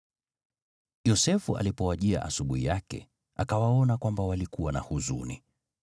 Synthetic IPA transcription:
jɔsɛfuʔa̰lipɔwaʄia̰ʔasuɓuhijakɛ̰ | akawaɔnakwambawalikuwana̰huzṵnḭ

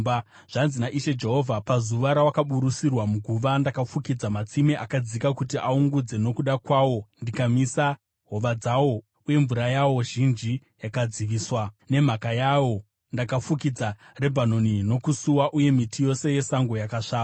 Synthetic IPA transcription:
a | ʐ̥anzinaʔiʃe̞d͡ʒe̞ɦo̞vʱapazuʋaɾawakaɓuɾusirwamuɡʱuʋandakafukid͡zamat͡simeʔakad͡zikakutiʔauŋɡud͡ze̞no̞kuɗakwawo̞ndikamisa | ɦo̞ʋad͡zawo̞ | uje̞ɱvuɾajawo̞ʒind͡ʒi | jakad͡ziʋiːswane̞m̤akajawo̞ | ndakafukid͡za | re̞bʱano̞nino̞kusuwaʔuje̞mitijo̞se̞je̞saŋɡo̞jakaʂaːa

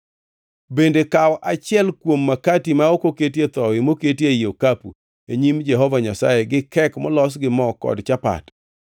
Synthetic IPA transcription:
bendekawɔʔat͡ʃɪɛlkwomːakatimaokoketiet̪ɔwɪmoketjejokapṵ | eɲimd͡ʒɛɦɔvaɲasa̰jeɡɪkɛkmɔlɔs̬ɡɪmɔkɔ̰dt͡ʃapa̰t

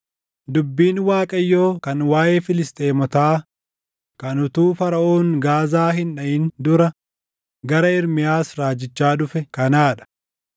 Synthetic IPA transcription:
d̪ʊbːiːnwaːkʼɐjːoːkɐnwaːʔe̞ːfɪlɪst̪ʼe̞ːmɔt̪aː | kɐnʊt̪uːfɐɾɐʔoːŋɡaːzaːɦɪnᶑɐʔɪnd̪ʊɾɐ | ɡɐɾɐɪɾmɪjaːsɾaːd͡ʒɪt͡ʃːaːᶑʊfɛkɐnaːᶑɐ̥

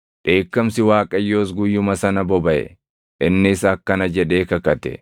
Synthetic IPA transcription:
ᶑe̞ːkːɐmsɪwaːkʼɐjːo̞ːs̬ɡʊjːʊmɐsɐnɐbɔbɐʔɛ̰ | ʔɪnːɪsɐkːɐnɐd͡ʒɛᶑe̞ːkɐkɐt̪ɛ̰

